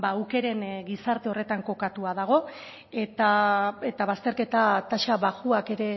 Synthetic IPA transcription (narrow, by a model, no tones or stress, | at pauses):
bauke̞ɾe̞nɡisaɾt̪eo̞re̞t̪aŋko̞kat̪uað̞aɣ̞o̞ | et̪ae̞t̪aβ̞ast̪eɾke̞t̪at̪aʃaβaɣuake̞ɾe̞